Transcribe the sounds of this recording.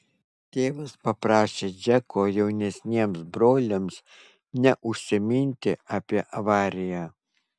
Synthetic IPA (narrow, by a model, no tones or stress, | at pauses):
t̪ʲeːʋɐspɐpɾɑːʃʲeːd͡ʒʲɛkoːjɛʊnʲɛsʲnʲiɛmsbɾoːlʲɪms | nʲɛʔʊʃʲsʲɪmʲɪnʲt̪ʲɪɑːpʲiɛʔɐʋɑːɾʲɪjæ